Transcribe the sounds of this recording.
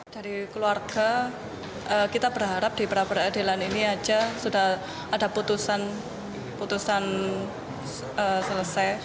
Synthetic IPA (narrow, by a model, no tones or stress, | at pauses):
d̥aɾikəluarɡ̥a | ʔəkit̪abərɦaɾap̚d̥i̤pəɾapəɾadelaniniad͡ʒasudah | ʔadaput̪usan | put̪usan | əsələsaj